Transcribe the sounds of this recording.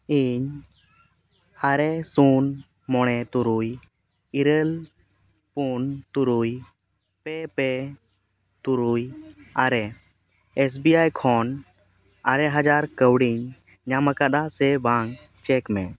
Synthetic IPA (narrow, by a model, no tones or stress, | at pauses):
iɲ | aɾɛsun | mɔɽ̃ɛt̪uɾuj | iɾəl | punt̪uɾuj | pɛpɛ | t̪uɾujaɾɛ | ɛs̬biajkʰɔn | aɾɛɦad͡ʒaɾkəwɽiɲ | ɲamakaɗ̪asɛbaŋ | t͡ʃɛkmɛ